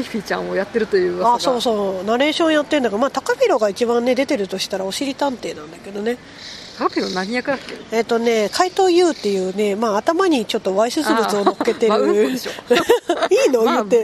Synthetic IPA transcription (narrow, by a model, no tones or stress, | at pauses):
iɸʲit͡ɕã̰ɰ̃ojat̪ːe̞ɾɯ̟t̪ojɯ̟ːaso̞ːso̞ːnaɾe̞ːɕõ̞ɰ̃jat̪ːeɯ̃nd̪akmaːt̪akapʲiɾo̞ɡait͡ɕibãnːe̞d̪e̞t̪e̞ɾɯ̟t̪o̞ɕi̥t̪aɾao̞ɕiɾʲit̪ãnt̪e̞ːnãnd̪ake̞d̪o̞ne̞ | t̪akapʲiɾonaɲijakɯnak̪ːeet̪ːo̞ne̞kʰait̪o̞ːjɯ̟ːt̪ːe̞jɯ̟ːne̞maːt̪amaɲ̟it͡ɕo̞t̪ːo̞βaiɕɨzɨbɯt͡sɨo̞no̞kːe̞t̪e̞ɾɯo | iːno̞jɯt̪ːe